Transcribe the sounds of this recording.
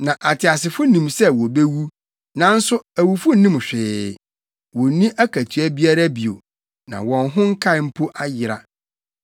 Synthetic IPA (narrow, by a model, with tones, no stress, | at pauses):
nã˨ʔa˨tʰɪ˨a˨sɪ˨fʊ˦nĩ˨msɛ˦wɔ˨be˦wu˦ | nã˦n̩˦sʊ˦æ˨wu˨fʊ˦n˦nĩ˦m˨ɕᶣɪ˨ | wɔ˨˦nĩ˦ʔæ˦kʰæ˨tʰɥæ˦bi˦a˦ɾa˦bi˨o̰˨ | nã̰˨wɔ̃˨nɦʊ̃˦ŋ̩˦kʰa˦ɪ˨˦m̩˦pʰo˦ʔa˦jɪ˨ɾa̰˨